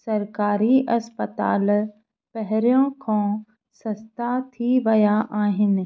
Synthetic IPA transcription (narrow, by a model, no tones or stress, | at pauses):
sɐɾkaːɾiʔɐspət̪a̰ːl | pɛɦɾjõːkʰõ | sɐst̪at̪ʰiʋɐjaʔaːɦɪn